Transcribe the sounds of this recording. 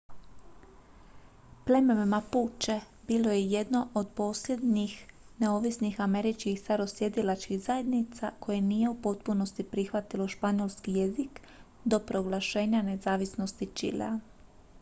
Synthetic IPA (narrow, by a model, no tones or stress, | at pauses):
ple̞mememapuːt͡ʃe | biːlo̞jeje̞d̪no̞ʔod̪po̞ːslʲe̞d̪nix | ne̞o̞ʋisnixame̞ɾit͡ʃkixst̪aɾo̞sje̞d̪ilat͡ʃkixzaje̞d̪nit̪sako̞je̞niːje̞upo̞t̪puno̞st̪ipɾixʋat̪ilo̞ʃpaɲolˠskije̞zik | d̪o̞pɾo̞ɡlˠaʃe̞ːɲane̞zaːʋisno̞st̪it͡ʃḭla̰